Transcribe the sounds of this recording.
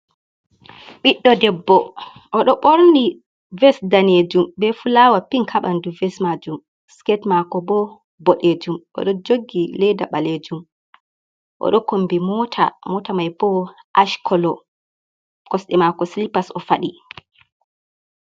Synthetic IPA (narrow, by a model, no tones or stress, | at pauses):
ɓiɗːɔdɛbːɔ | ʔɔɗɔɓoɾni | vɛsdaneːd͡ʒumbɛfulaːwapiŋkʰaɓanduvɛsmad͡ʒum | skɛtmakɔbɔ | bɔɗed͡ʒumʔɔ̰ɗɔd͡ʒoɡːilɛdaɓaled͡ʒum | ʔɔ̰ɗɔkombimɔtʰa̰mɔtamajbɔʔaʃkʰɔlɔ | kɔsɗɛmakɔslipasɔfaɗi